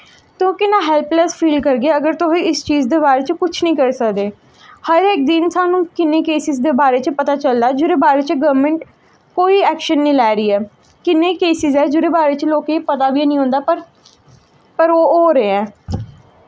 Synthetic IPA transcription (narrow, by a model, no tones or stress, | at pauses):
t̪ʊ̃kɪnːãːɦɛːlplɛspʰiːlkəɾɡeːəɡəɾt̪ʊsĩːɪst͡ʃiːzd̪eːbaːɾeːt͡ʃkʊt͡ʃʰnəĩːkəɾsəkd̪eː | həɾɪk̚d̪ɪnsaːnũːkɪnːeːkeːsɪzd̪eːbaːɾeːt͡ʃpət̪aːt͡ʃəld̪aːd͡ʒoːɾeːbaːɾeːt͡ʃɡəʋmə̃ɳʈ | koːiːɛːkʃənːĩːlɛːɾiːɛː | kɪnːeːkeːsɪzɛːd͡ʒoːɾeːbaːɾeːt͡ʃloːkepət̪aːbiːnĩːɦõːnd̪aːpəɾ | pəɾoːoːɾəeɛ̃ː